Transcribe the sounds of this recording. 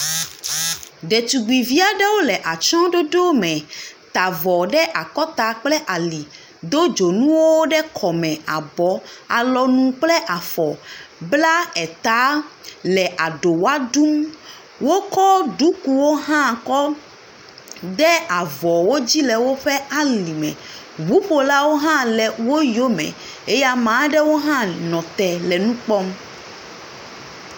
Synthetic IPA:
ɖɛ˨t̪u˨ɡ͡bi˨vi˦a˨ɖɛ˦wo˦lɛ˨ʔa˨t͡ʃɔ̃˦ɖo˦ɖo˦mɛ̃˨t̪a˨vɔ˨ɖɛ˦ʔa˨kɔ˦t̪a˨k͡plɛ˦ʔa˨li˨ | d̪o˦d͡ʒo˨nũ˦wo˦ɖɛ˦kʰɔ˨mɛ̃˨a˨bɔ˨˦a˨lɔ˨nũ˦k͡plɛ˦ʔa˨fɔ˨bla˦ɛ˨t̪a˨˦lɛ˨ʔa˨ɖo˨wa˦d̪u˦m | wo˦kɔ˦ɖu˦ku˨wo˦ɦã˦˨kɔ˦ | d̪ɛ˦a˨vɔ˨wo˦d͡ʑi˦lɛ˨wo˦ɸɛ˦a˦li˨mɛ̰̃˨ | βu˦ɸo˨la˦wo˦ɦã˦lɛ˨wo˦jo˦mɛ̰̃˨ | e˦ja˦mã˨˦ɖɛ˦wo˦ɦã˦nɔ̃˨t̪ɛ˨lɛ˨nũ˦k͡pɔ˦m

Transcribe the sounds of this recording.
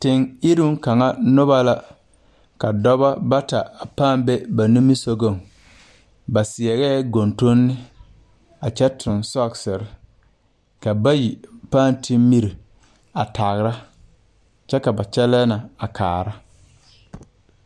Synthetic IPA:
tɪ˨ŋi˦ɾu˦ŋ˦ka˨ŋa˦nʊ˦ba˦la˦ | ka˨dɔ˦ba˦ba˦ta˨a˨paː˦˨mbe˦ba˨nu˦mi˦so˦ɡo˦˨ŋ | ba˨sɪ˨ɛ˨ɣɛː˦ɡo˨nto˦nːɪ˦ | a˨t͡ʃɛ˦tʰʊ˨nsɔ˦˨ksɪ˨ɾɪ˨ | ka˨ba˦ji˨paː˦˨ntɪ˦mmi˦ɾi˨ | a˨ta˨ɣɾa˦ | t͡ʃɛ˦ka˨ba˨t͡ʃɛ˦lɛː˦na˨a˨kʰa̰ː˨ɾa˦

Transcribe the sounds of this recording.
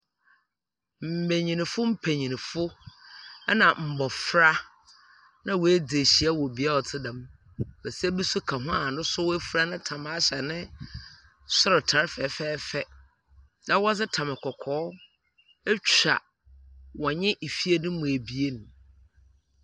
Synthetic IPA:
m̩˨mæ̃˨ɲĩ˨nɪ̃˨fʊ˦m̩˦pʰæ˨ɲĩ˨nɪ̃˨fʊ˦ | ɛ˦nã˨m̩˨bɔ˨fɾa˦ | nã˦wɔ˨æ˦d͡zɪ˨e˨ɕi˨a˦wɔ˨bi˨a˦ɔ˨tʰɪ˦dã˦m | bɛ˨sɛ˦bu˦sʊ˦kʰa˨ɦʊ̃˦a˨nʊ̃˦sʊ˦wæ˦fu˨ɾa˦nʊ̃˦tʰã˨m˨a˦ɕɛ˨nɪ̃˦ | sʊ˦ɾɪ˨tʰa˨˦ɾfɛː˨˦fɛː˦fɛ˦ | nã˦wɔ˦d͡zɪ˦tʰã˨mɪ̃˨kʰɔ˨kʰɔː˨˦ | ɛ˦t͡ɕa̰˨ | wɔ˨ɲɪ̃˦ʔi˨fi˦e˦nʊ̃˦mũ˨æ˨bi˨e˦nʊ̃˨

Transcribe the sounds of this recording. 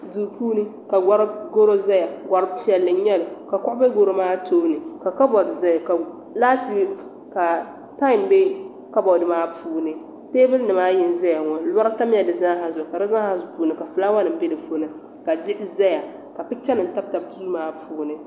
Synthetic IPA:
du˨puː˦nɨ˦ | ka˨ɡa˦ɾɡo˦ɾo˦za˦ja˨ɡʷa˨ɾɨ˦bt͡ʃɛ˦lːɨ˨˦ɲɛ˦lɨ˨ka˨kʊ˦ʔʊ˦be˦ɡo˦ɾo˦maː˦toː˦nɨ˨ka˨ka˦bɔ˨dza˦˨ka˨ | laː˦ti˦ | ka˨ | ta˦i˨mbe˦ | ka˦bɔ˨dɨ˦maː˦puː˦nɨ˨ | teː˦bɨ˦lnɨ˨maː˦jɪ˨n˦za˦ja˨ŋɔ˨˦la˦ɾa˦ta˦m˦ɛ˨dɨ˨zã˦ɦa˨zʊ˨ka˨dɨ˦za˦ha˨zʊ˨puː˦nɨ˨ka˨fɨ˨˦la˦ŋa˦nɨ˨m̩˦be˦dɨ˨pu˦nɨ˨ | ka˨dɪ˦ʔɪ˦za˦ja˨ | ka˨pɨ˦t͡ʃɛ˦nɨ˨n̩˨ta˦b̚ta˨b̚tuː˦maː˦pʰuː˨˦nɨ˨

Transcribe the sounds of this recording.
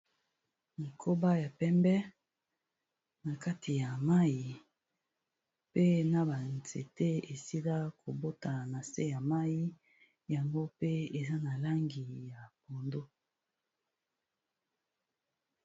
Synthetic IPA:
na˨kʰo˦ba˦ja˨pɛ˦mbɛ˦ | na˨ka˦ti˨ja˨ma˦ji˨ | pe˦na˨ba˨nze˨te˦e˨si˦la˦ko˨bo˦ta˨na˨se˦ja˨ma˦ji˦ | ja˨ŋɡo˦pe˦e˨za˦na˨la˦ŋɡi˨ja˨po˨ndo˦

